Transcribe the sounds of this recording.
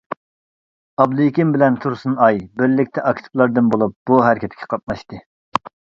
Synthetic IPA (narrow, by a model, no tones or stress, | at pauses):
ɑb̚lujikʲimbɪlɛnt̪ʰuɾsunɑjbɪɾlɪkʲt̪ʰɛʔɑkt̪ʰɪ̥plˠɑɾd̪ɨnbolˠup̚b̥uɦæɾɪkʲʰɛt̪ʰkʲʰɛ̥qʰɑt̪̚mɑʃt̪ɨ